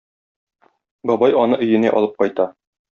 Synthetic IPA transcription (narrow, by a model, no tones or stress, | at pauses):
bɒbɑjɒnɤʔɵ̆jɘ̆næ̰ʔɒ̰lˠɤp̚qɒjt̪ɑ